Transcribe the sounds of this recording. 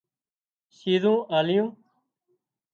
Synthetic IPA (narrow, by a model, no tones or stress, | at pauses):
siːzõːʔaːlɪjõː